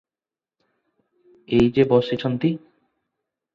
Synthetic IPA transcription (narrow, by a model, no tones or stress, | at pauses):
ejd͡ʑebɔʃit͡ɕʰont̪i